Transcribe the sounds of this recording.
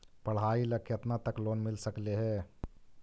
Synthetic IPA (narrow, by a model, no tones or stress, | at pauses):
pɐɽ̤aːilɐkʰjət̪nat̪əkloːnmɪlsəkleɦɛː